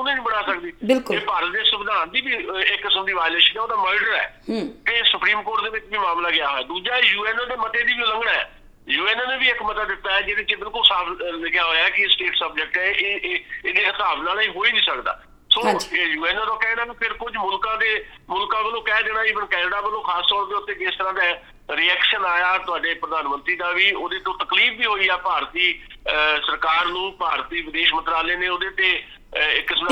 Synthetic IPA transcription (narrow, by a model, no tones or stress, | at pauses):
ʊnẽːnĩːbəɽaːsəkd̪iːbɪlkeːpəɾd̪eːsʊbɪd̪aːnd̪iːbiːɪkːɪsəmd̪iːʋaːɪleːʃənɛːoːd̪aːməːɾɖəɾɛ̰ːkesʊpɾiːmkoːʈd̪eːʋɪt͡ʃbiːmaːmlaːɡɪaːɦoɛːd̪uːd͡ʒaːjuːɛːnːd̪eːmət̪eːd̪iːbiləŋɡɽaːɛ̰ː | juːɛːnːnebiːɪkmət̪əd̪d̪ɪt̪ːaːɛːd͡ʒeːɾẽːt͡ʃeːbɪlkʊlsaːpʰləɡjãːɦoːjaːkɪsʈeːʈsəbd͡ʒək̚ʈɛʔː | d̪eːəst̪aːbnaːlaːĩːɦoːiːnĩːsəkd̪a̰ː | soːjuːɛːnːãːt̪õːkɛ̃ːnaːkapʰɪɾkʊd͡ʒmʊlkãːd̪eː | mʊlkãːbəlõːkɛːd̪eːɽ̃aːɪʋənkɛːnəɖaːbəlõːkʰaːst̪ɔːɾd̪eːʊt̪ːeːd͡ʒeɪst̪əɾãːd̪aː | ɾiɛːkʃənaːjaːt̪ʊaːɖeːpɾəd̪aːnmənt̪ɾiːd̪aːʋiːoːd̪eːt̪õːt̪əkliːfʋiːɦoːiːɛːpaːɾt̪iːsəɾkaːɾnũːpaːɾt̪iːʋɪd̪eːʃmənt̪ɾaːleːneːoːd̪eːt̪eː | ɪkːɪs